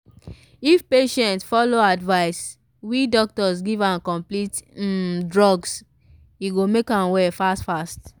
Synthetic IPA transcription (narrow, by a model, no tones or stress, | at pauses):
ifpeʃɛ̃ntfɔloadvaɪs | widɔk̚tɔsɡivãnkɔ̃mplit̩dɹɔɡs | iɡomekãnwɛfastfast